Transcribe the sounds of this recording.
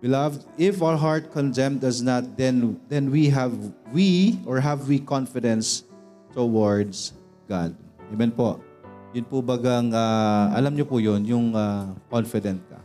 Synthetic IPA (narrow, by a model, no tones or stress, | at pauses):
bɪlavd̪ɪfawəɹɦaɹt̪̚kɔnd̪ɛmd̪ɐsnat̪̚d̪ɛnd̪ɛnwiɦɛvwiʔɔɹɦavwikɔnfɪd̪ɛ̃ns | t̪uwɔɹd̪s | ɡa̰d̪̚ɛmɛnpoʔ | jʊnpʊbaɡaŋaʔɐ̰lamɲopʊjʊnjʊŋakɔnfɪd̪ɛnt̪̚kɐ̰